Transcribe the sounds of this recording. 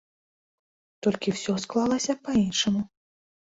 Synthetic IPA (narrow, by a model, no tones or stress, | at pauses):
t̪ɔlʲkʲiwsʲɔsklˠalˠɐsʲɐpainʂɐmu